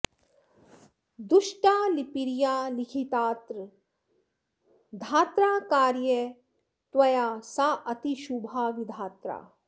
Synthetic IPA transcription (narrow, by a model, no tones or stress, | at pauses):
d̪uʃʈaːlipiɾjaːlikʰit̪aːt̪ɾ | d̪ʱaːt̪ɾaːkaːɾjə | t̪wɐjaːsaːʔɐt̪iʃubʱaːʋid̪ʱaːt̪ɾa̰ː